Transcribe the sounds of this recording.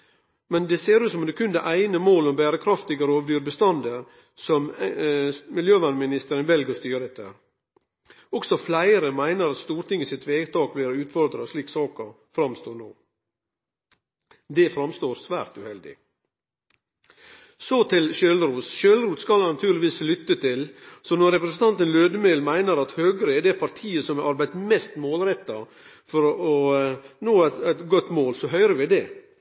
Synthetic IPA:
mɛnd̪ɛseːɾʉːsɔmɑd̪ɛkʰʉnd̪əʔæɪnəmoːlɔmbæːɾəkʰɾɑft̪ɪɡəɾoːʋd̪yːɾbəst̪ɑnd̪əɾ | sɔm | mɪljøːʋɑnmɪnɪst̪əɾənʋɛlɡəst̪yːɾɛt̪ʰːəɾ | ɔksɔflæɪɾəmæɪnəɾɑt̪st̪uːɾʈ̪ɪŋːəsɪt̪ʋeːɡt̪ʰɑːkbɪlɾɔʉːt̪fɔɾd̪ɾɑsliːksɑːkəɾ | fɾɑmst̪oːɳoː | d̪ɛfɾɑmst̪oːɾsʋæːɾt̪ʉhɛld̪ɪ̰ | sɔt̪ʰɪlʃøːlɾuːsʃøːlɾuːt̪skɑlhɑnɑt̪ʰʉːɾlɪʋiːslʏt̪ːət̪ʰɪlsɔnɔɾɛpɾəsənt̪ɑnt̪ənløːd̪əmelmæɪnəɾɑt̪høːɡəɾəɛɖɛpʰɑɾʈ̪ʰiːəsɔmæɾʔɑɾbæɪt̪mɛst̪moːlɾɛt̪ːɑ | fɔɾɔnoːææt̪ɡɔt̪ːmoːlsɔɦœʏɾəʋɪd̪ɛ

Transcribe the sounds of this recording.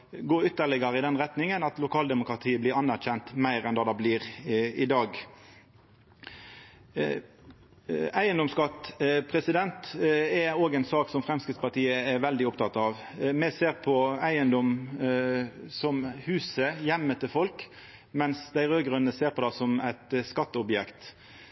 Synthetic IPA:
ɡoːɾʏt̪ːəʁɭɪɡəɾəɪd̪ɛnʁɛt̪nɪŋənɑt̪lʊkʰɑːld̪ɛmʊkɾɑt̪ʰiːəblɪɾɑnːæʁçɛnt̪mæɪɾɛnd̪ɑːd̪ɑbliːʁɪd̪ɑːɡ | æɪənd̪ɔmskɑt̪pʰɾɛsɪd̪ɛnt̪ɛoːɡɛɪnsɑːksɔmfɾɛmskɾɪt̪spɑʈiːəæɾʋɛld̪ɪɔpt̪ʰɑt̪ɑʋ | mɛseːʁpʰɔæɪənd̪ɔm | sɔmhʉːsəjɛmːət̪ʰɪlfɔlk | mɛnsd̪æɪʁøːɡɾʉnːəseːɾpʰɔd̪ɑsɔmæɪt̪skɑt̪ːəɔbjɛkt̪

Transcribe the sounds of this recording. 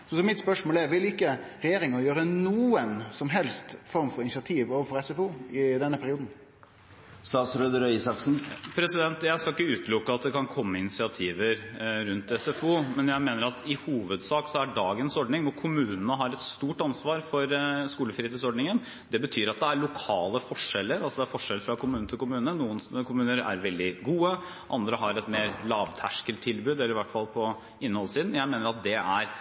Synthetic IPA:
ɔsɔmɪt̪spœʂmoːlæɾʋɪlɪkːə | ɾɛjeːɾɪŋɔjøːɾənuːənsɔmɦɛlst̪fɔɾmfɔɾɪnsɑt̪ʰiːʋoːʋəfɔɾɛsɛfuːɪd̪ɛnːəpʰæɾɪuːd̪n̩ | st̪ɑːt̪sɾøːd̪əɾœʏsɑksn̩pʰɾɛsɪd̪ɛnt̪jæɪskɑlɪkːəʉːt̪lʊkːəɑt̪̚d̪ɛkɑnkʰɔmːəɪnɪsɪɑt̪ʰiːʋəɾɾʉnt̪ɛsɛfuːmɛnjæɪmeːnəɾɑt̪ɪhuːʋəd̪sɑːksɔæɖɑːɡənsɔɖnɪŋɔkʰʊmʉːnənəɦɑɾɛt̪st̪uːʈɑnsʋɑːɾfɔɾskuːləfɾiːt̪ɪsɔɖnɪŋən | d̪ɛbət̪ʰyːɾɑt̪̚d̪ɛæɾɭʊkʰɑːləfɔʂːɛlːəɾɑlsɔd̪ɛæɾfɔʂɛlːəfɾɑkʰʊmʉnət̪ɪlkʰʊmʉːnənuːənskʰʊmʉːnəɾæ̰ɾʋɛld̪ɪɡuːə | ʔɑnd̪ɾəɦɑɾɛt̪meːɾlɑːʋt̪ʰæʂkəlt̪ʰːɪlbʉːd̪ɛlːɾɪʋæʈːfɑlpʰɔ | ɪnːhɔlːsiːd̪n̩jæɪmeːnəɾɑt̪̚d̪ɛʔæɾ

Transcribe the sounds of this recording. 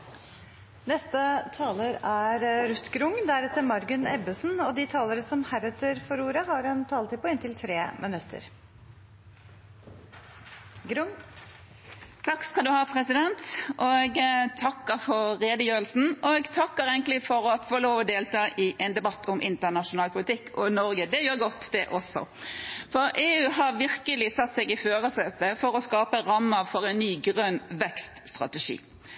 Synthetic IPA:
nɛst̪ət̪ʰɑːləɾæɾɾʉt̪ɡɾʊŋːd̪æɾɛt̪əɾmɑɾɡʉnɛ̰bəsnɔd̪ɪt̪ʰɑːləɾəsɔmhæɾɛt̪əɾfɔɾuːɾəɦɑɾɛnt̪ʰɑːlt̪ɪpɔɪnt̪ɪlt̪ʰɾḛːmʔənʉt̪ʰːə̰ɾ | ɡɾʊŋ | t̪ʰɑkːskɑnd̪ʉhɑːpʰʁɛsɪd̪ɛnt̪ʔɔɡt̪ʰɑkːəɾfɔɾʁeːd̪əjøːɾəlsn̩ɔɡt̪ʰɑkːəɾɛɪŋklɪfɔɾɔfoːloːʋɔd̪eːlt̪ʰɑːʔɪʔɛnd̪ɛbɑt̪ʰːʊmʔɪ̰nt̪ənɑʂʊnɑːlpʰʊlɪt̪ʰɪkːʰɔnɔɾɡəd̪ɛjøːɾɡɔt̪ːd̪ɛʔɔsɔ̰fɔɾʔeːʉːɦɑɾʋɪʁkəlɪsɑt̪ːsɛɡɪføːʁəsɛt̪ːəfɔɾɔskɑːpəɾɑmːəfɔʁɛnnyːɡʁœnːʋɛkst̪st̪ʁɑ̰t̪ɛʂḭː

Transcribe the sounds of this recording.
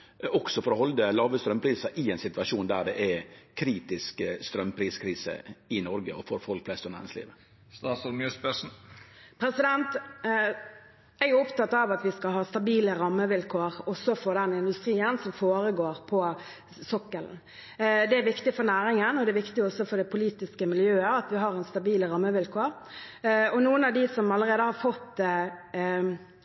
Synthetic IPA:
ɔksɔfɔɾɔɦɔld̪əlɑːʋəst̪ɾœmpʰɾiːsəɾʔɪɛɪnsɪt̪ʋɑʂuːnd̪æɖɛʔɛkʰɾiːt̪ɪskst̪ɾœmːpʰɾiːskʰɾiːsə̰ɪnɔɾɡəɔfɔɾfɔlk̚pʰflɛst̪ɔnæːɾɪ̰ŋslḭːʋə | st̪ɑːsɔlmjøːspɛʂn̩pʰɾɛsɪd̪ɛnt̪ | æɾjʉɔpt̪ɑt̪ːɑʋɑt̪ʋɪskɑhɑːst̪ɑbiːləɾɑmːəʋɪlkʰoːɾɔsːɔfɔd̪ɛnɪnd̪ʉst̪ɾiːənsɔmfoːɾəɡoːɾpʰɔ | sɔkːəln | d̪ɛæʋɪkt̪ɪfɔɾnæːɾɪŋənɔd̪ɛæʋɪkt̪ɪɔsɔfɔɾd̪ɛpʰʊliːt̪ɪskəmɪljøːəɑt̪ʋɪɦɑɾɛnst̪ɑbiːləɾɑmːəʋɪlkʰoːɾ | ɔnuːənɑʋd̪ɪsɔmɑlːəɾeːd̪əhɑɾfɔt̪ː

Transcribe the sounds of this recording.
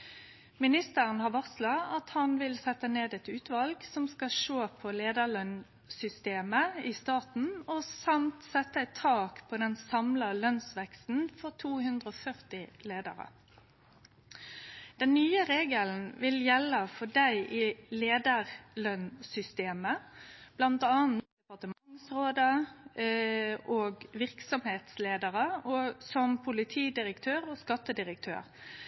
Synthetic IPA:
mɪnɪst̪əʁənhɑʁʋɑslɑɑt̪hɑnʋɪlsɛt̪ːəneːd̪ɛt̪ʉːt̪ʋɑlɡsɔmskɑʃoːpʰɔleːd̪əlœn | sʏst̪eːməɪst̪ɑːt̪n̩ɔsɑmt̪sɛt̪ːəɛt̪ʰːɑːkpʰɔd̪ɛnsɑmlɑlœnsʋɛkst̪n̩fɔʁt̪ʰuːhʉnd̪ʁəɔːfœʁt̪ɪleːd̪ə̰ʁə̰ | d̪̥ɛnːyːəʁeːɡəln̩ʋɪljɛlːəfɔd̪æɪʔɪleːd̪əʁlœnsʏst̪eːməb̥lɑnt̪ɑːnd̪ɛpɑʁt̪əmɑŋsʁoːd̪ə | ʔoːɡʋɪʁksɔmheːt̪sleːd̪əʁəɔsɔmpʰʊlɪt̪ʰiːd̪ɪɾəkt̪ʰøːʁɔskɑt̪ːəd̪ɪɾək̚t̪ʰø̰ːʁ

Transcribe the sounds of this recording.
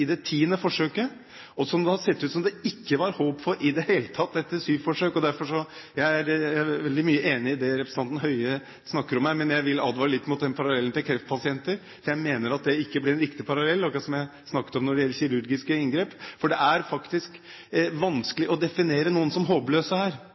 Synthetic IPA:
ɪd̪ɛt̪ʰiːənəfɔʂøːkə | ɔsɔmd̪ɛhɑsɛt̪ːʉːt̪sɔmd̪ɛɪkːəʋɑɾhoːpfɔɾɪd̪ɛheːlət̪ʰɑt̪̚ːd̪ɛt̪ːəsyːfɔʂøːkɔd̪æɾfɔʂɔjæɪæɾʋɛld̪ɪmyːəʔeːnɪɪd̪ɛɾɛpɾəsɑnt̪n̩ɦœʏə | snɑkːəɾɔmːæɪmɛnjæɪʋɪlɑd̪ʋɑːɾəlɪt̪ːmʊt̪̚d̪ɛnpʰɑɾɑlɛlːn̩t̪ɪlkʰɾɛft̪̚pʰɑsɪɛnt̪əɾ | sɔjæɪmeːnəɾɑt̪̚d̪ɛɪkːəblɪɾɛnɾɪkt̪ɪpʰɑɾɑlɛlːɔɑkɾɑsɔmjæɪsnɑkːət̪ɔmnɔɖɛjɛlːəɾçɪɾʉɾɡɪskəɪŋɡɾeːpfɔɖɛʔæɾfɑkt̪ɪsk | ʋɑnskəlɪʔɔd̪ɛfɪneːɾənuːənsɔmɦoːpløːsəhæːɾ

